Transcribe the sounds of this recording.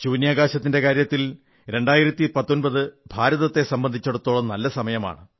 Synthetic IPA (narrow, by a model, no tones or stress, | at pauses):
t͡ɕuːnjaːɡaːɕɐt̪ːinde̞kaːɾjɐt̪ːil | ɾe̞ɳɖaːjiɾɐt̪ːipɐt̪ːo̞nbɐðɨbʱaːɾɐðɐt̪ːe̞sɐmbɐnd̪ʱit͡ɕːɐɽut̪ːoːɭɐnɐlːɐsɐmɐjɐma̰ːɳɨ